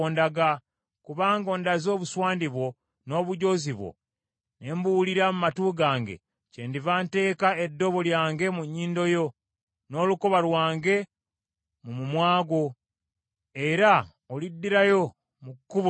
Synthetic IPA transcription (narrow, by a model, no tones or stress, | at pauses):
ndaɡa | kuβaːŋɡo̞ːndazo̞ːβuswaːndiβwo̞ | no̞ːβuɟo̞ziβwo̰ | ne̞ːmbuuliɾamumatuːɡaːŋɡe̞̰ | cendivaːnte̞ːkae̞dːo̞βo̞ljaːŋɡe̞muɲːiːndo̞jo̞ | no̞ːlukoβalwaːŋɡe̞ | mumumwaːɡo̞ | eɾa | olidːiɾajo̞ | mukːuβ